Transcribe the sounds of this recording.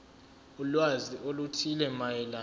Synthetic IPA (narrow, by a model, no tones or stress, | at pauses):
ulwaziʔolutʰilɛmajɛla